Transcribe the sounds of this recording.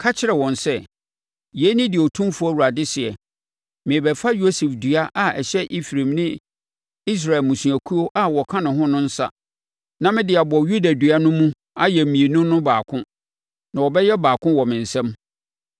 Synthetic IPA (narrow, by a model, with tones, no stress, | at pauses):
kʰa˦t͡ɕʰɪ˦ɾɛ˨wɔ̃˨nsɛ˦˨ | jɛ˨˦nɪ̃˦dɪ˨ɔ˨tʰũ˦mfʊ˦a˦˨wu˨ɾa˨dɪ˦sɪ˨ɛ˨ | mɪ̃˨bɛ˨fa˦jo˦sɛ˨fdɥa˦ʔa˦˨ɛ˨ɕɛ˦ʔi˦fɾẽ˨mnɪ̃˦ | i˦s̬ɾa˨ɛ˨lmũ˨sũ˨æ˨kʰu˦o˦ʔa˦wɔ˨kʰã˦nʊ̃˨ɦʊ̃˦nʊ̃˦n̩˦sa̰˦ | nã˦mɪ̃˦dɪ˨a˨bɔ˨ju˦da˨dɥa˦nʊ̃˦mũ˦ | a˦jɛ˨m˨mĩ˨e˨nũ˦nʊ̃˦baː˨kʰʊ̃˦ | nã˨wɔ˨bɛ˦jɛ˦baː˨kʰʊ̃˦wɔ˨mɪ̃˨n̩˨sɛ̃˦m